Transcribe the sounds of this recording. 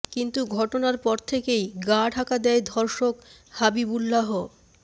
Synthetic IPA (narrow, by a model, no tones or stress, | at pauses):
kint̪uɡʱɔʈonaɾpɔɾt̪ʰekejɡaʈʰakad̪ɛed̪ʱɔɾʃokhabibulːaɦo